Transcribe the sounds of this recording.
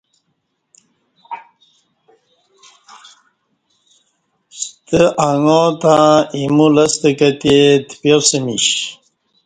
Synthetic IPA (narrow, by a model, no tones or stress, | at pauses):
st̪əʔaŋot̪aimulɐst̪əkət̪et̪pjoɾsemḭɕ